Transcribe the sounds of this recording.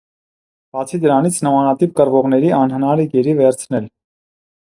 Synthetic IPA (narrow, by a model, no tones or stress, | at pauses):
b̥ɑt͡sʰid̪əɾɑnit͡sʰnəmɑnɑt̪ip̚kəɾvɔʁnɛɾiɑnɦənɑɾɛɡɛɾivɛɾt͡sʰnɛl